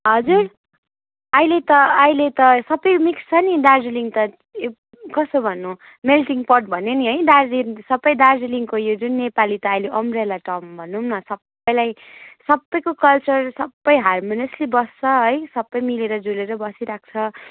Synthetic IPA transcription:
ɦʌd͡zur | ʌilet̪ʌːilet̪ʌsʌbʌjmikst͡sʰʌnidard͡ziliŋt̪ʌ | kʌsobʱʌnːũ | melʈiŋpʌʈ̚bʱʌneniɦʌjdard͡zinsʌbːʌjd̪ard͡ziliŋkojod͡zunːepalit̪ʌːjleʔʌmrelaʈʌmbʱʌnːumnʌsʌb | ʌjlajsʌbːʌjkokʌlt͡sʌrsʌbːʌjɦarmoneslibʌst͡sʰʌɦʌjsʌbːʌjmileɾʌd͡zuleɾʌbʌsiɾak̚t͡sʰʌ

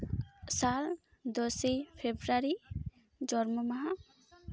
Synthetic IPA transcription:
sal | d̪ɔsejpʰebɾaɾi | d͡ʒɔɾmɔmaɦa

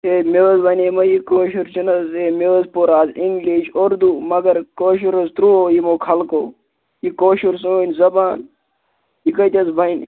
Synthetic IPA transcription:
eːmeʋəzbɐnʲeːmɐjikoːʃuɾt͡ʃʰinɐzeːmeəzpoɾaːziŋɡliːʃoɾd̪uːmɐɡɐɾkoːʃ̬uɾɐzt̪ɾuoːjimoːkʰɐlkoː | jikoːʃuɾsoːnʲzɐbaːn | jikɐt̪ʲɐzbʱɐn

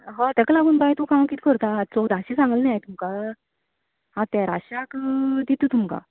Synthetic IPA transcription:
ɦãt̪ɛklaɡuːnbajt̪ukãmkiːt̪ʰkəɾt̪at͡sɔd̪ʱaɕisãŋɡəlnajajt̪umka | ɦãt̪aɾa̰ɕakd̪it̪uːt̪umka̰

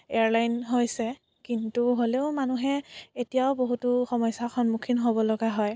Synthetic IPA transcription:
ḛaɹlajnɦojsɛ | kintuɦoleʊmanuɦɛetijaʊboɦutʊxɔmɔjsaxɔnmukʰinɦobɔlɔɡaɦɔj

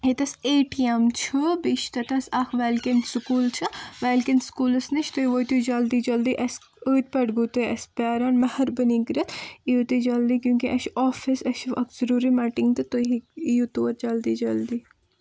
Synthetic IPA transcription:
het̪ɐseːʈiɐmt͡ʃʰubiʃt̪ɐt̪ɐsɐkʰʋelkɐnsʊkuːlt͡ʃʰɐʋeːlkɐnskuːlɐsnɐt͡ʃʰt̪oiʋoːt̪ud͡ʒɐld̪iːd͡ʒɐld̪iːʔɐs | əːt̪̚pɐʈɡuːt̪uɐspaːɾɐnmɐhɐɾbənikɾɐt̪ʰijut̪id͡ʒɐld̪ikjũːkiʔɐʃɔːfisɐʃɐ̰kz̥əɾuːɾimɐːʈiŋɡt̪ɨt̪oɦiijut̪oːɾd͡ʒɐld̪id͡ʒɐld̪iː

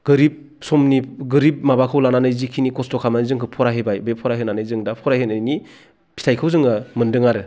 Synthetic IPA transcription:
ɡ̥ɯɾip̚ | sɔmniɡɯɾip̚mabakʰɯwlananɯjzikʰinikɔstɔkʰamanzɯŋkʰɯpʰɔɾaɦebajbepʰɔɾaɦɯnanɯjzɯŋdapʰɔɾahenɯjni | pʰi̥tʰajkʰɯwzɯŋɯmɯndɯŋaɾɯ

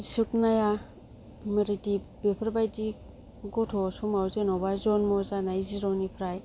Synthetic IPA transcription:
sɯk̚naja | mɯɾidi | b̥epʰɾbajdi | ɡɔtʰɔsumawzenɔbazɔnmɔzanaiziɾɔwnipʰɾaj

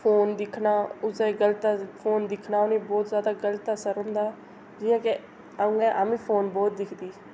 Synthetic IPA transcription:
fʰoːnd̪ɪkʰnaːʊseːɡələt̪apʰoːnd̪ɪkʰnaːʊnĩːbɔːt̪zjaːd̪aːɡələt̪asəɾɦʊ̃nd̪aː | d͡ʒɪ̃ːãːke | ə̃ɡɛʔaːmĩːpʰoːnbɔːt̪̚d̪ɪkʰd̪iː

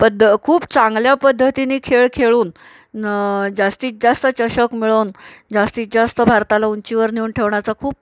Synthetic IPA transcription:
pəd̪ʱəkʰuːpt͡sãŋɡljapəd̪ʱːət̪iniːkʰeɭkʰeɭuːn | d͡zast̪iːt̪̚d͡zast̪ət͡ɕəɕəkmiɭond͡zast̪iːt̪̚d͡zast̪əbʱaɾt̪alauɲt͡ɕiʋəɾniuːnʈʰeʋɳjat͡sakʰuːp̚

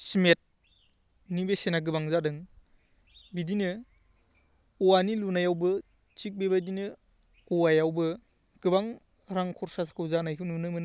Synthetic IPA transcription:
smet̚ | nibesenaɡɯbaŋzadɯŋ | bidinɯ | ɔwanilunajawbɯ | t͡ʃik̚bebadinɯ | ɔwajawbɯ | ɡ̥ɯbaŋ | ɾaŋkʰɔɾsatʰḁkʰɯwzanajɦɯwnunɯmɯn

